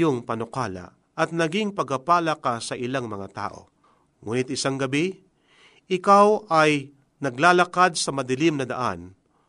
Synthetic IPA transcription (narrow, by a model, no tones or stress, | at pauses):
oŋpɐnʊkaːla̰ | ʔɐt̪̚nɐɡɪŋpɐɡɐpaːlakasɐʔɪlaŋmɐŋat̪a̰ːʔo̞̰ | ŋuːnɪt̪ɪsaŋɡɐbi | ʔɪkawʔɐj | nɐɡlaːlɐkad̪̚sɐmɐd̪ɪlɪmnɐd̪ɐ̰ʔa̰n